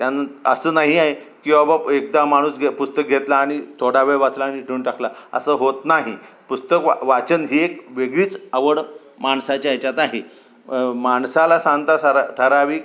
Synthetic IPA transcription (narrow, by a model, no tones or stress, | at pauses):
t̪janaə̰sənaɦiaɦe | kĩʋabaek̚d̪amaɽ̃uːsɡʱepust̪ək̚ɡʱet̪laːɽ̃it̪ʰoɽaʋeɭʋat͡slaːɽ̃iʈʰeunʈaklaə̰səɦot̪naɦipust̪əkʋʋat͡ɕənɦiːekʋeɡɭiːt͡səʋəɽ | maɳsat͡ɕjaet͡ɕat̪aɦi | maɳsalasãŋɡt̪asaɾaʈʰəɾaʋiːk